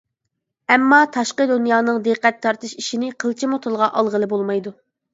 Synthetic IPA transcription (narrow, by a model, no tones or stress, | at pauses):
ɛmːɑt̪ʰɑʃqəd̪unjɑːnɨŋd̪ɨqɛt̪ʰːɑɾt̪ɨʃiʃinɪqʰəlˠt͡ʃʰimot̪ʰəlˠʁɑʔɑlˠʁəlˠɨbolˠmɑjd̪u